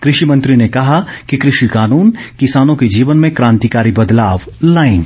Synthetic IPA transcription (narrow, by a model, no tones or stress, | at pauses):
kɾɪʃimɐ̃nt̪ɾinekɐɦakikɾɪʃikaːnuːnkɪsaːnõked͡ʒiːʋənmẽkɾãːnt̪ikaːɾibɐd̪laːʋ | laːɪ̃ŋɡ